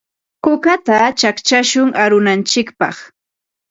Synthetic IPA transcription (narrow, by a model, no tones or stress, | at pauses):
kʊkat̪at͡ʃakt͡ʃaʃʊŋʔaɾʊnant͡ʃɪkpɑ̰χ